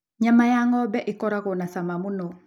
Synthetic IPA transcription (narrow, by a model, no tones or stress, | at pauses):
ɲamajaŋɔbɛʔikɔɾakɔnasamamuno